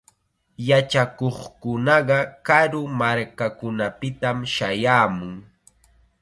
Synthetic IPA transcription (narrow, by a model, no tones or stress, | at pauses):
jat͡ʃakoχkʊnɑɢɑkaɾʊmaɾkakʊnapɪt̪amʃajaːmʊŋ